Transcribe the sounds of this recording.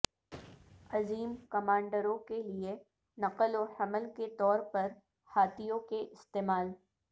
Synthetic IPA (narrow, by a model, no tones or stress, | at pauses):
ɐziːmkɐmãːɳɖəɾõkelie | nɐqəlohɐməlket̪ɔːɾpɐɾ | haːt̪ijõkeʔɪst̪eːmaːl